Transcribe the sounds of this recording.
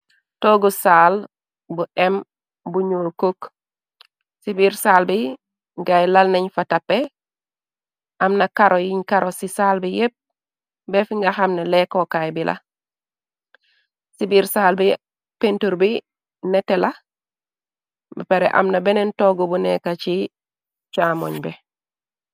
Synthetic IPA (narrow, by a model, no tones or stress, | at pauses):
toːɡusaːl | buʔem | buɲoːkok | sibiɾsaːlbi | ŋɡajlalnaɲfatapːe | ʔamnakaɾʔojiɲkaɾosisaːlbijep̚ | befiŋɡaxamnalekokajbilʔa̰ | sibiːɾsaːlbi | pentuɾbi | netela | bpeɾḛʔa̰mnabenentoɡobunekat͡ʃi | t͡ʃamo̰ɲbe